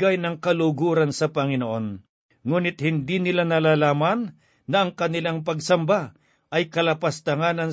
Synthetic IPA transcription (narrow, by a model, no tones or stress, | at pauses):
ɡajnɐŋkɐlʊɡuːɾɐnsɐpɐŋɪnoʔo̞n | ŋuːnɪt̪̚hɪnd̪inɪlanɐlaːlaːmɐnː | ɐʔɐŋkɐnɪlaŋp̬ɐɡsɐmba | ʔɐjkɐlɐpɐst̪ɐŋaːnɐn